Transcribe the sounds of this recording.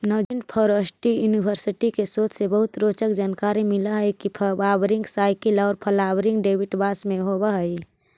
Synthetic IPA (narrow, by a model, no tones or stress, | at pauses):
nɔːd͡ʒinpʰɔɾosʈijuːnibʱəɾsɪʈikesoːt̪sebəɦʊt̪ɾoːt͡ʃəkd͡ʒaːnkaːɾimɪlaɦəikipʰbaːbɾɪ̃ŋɡsaːɪkilɔːɾpʰəlaːwɾɪ̃ŋɡɖeːbiʈbaːsmẽɦobaɦəi